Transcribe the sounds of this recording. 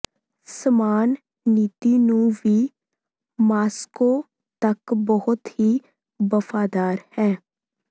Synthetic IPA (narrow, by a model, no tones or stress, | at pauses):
səmaːnː | iːt̪iːnũːʋiː | maːskoː | t̪əkbəɦʊt̪hiː | bəfʰaːd̪aːɾhɛː